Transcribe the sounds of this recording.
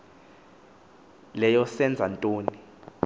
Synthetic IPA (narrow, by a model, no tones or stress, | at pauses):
lɛjɔsɛnd͡zʱantʼoːni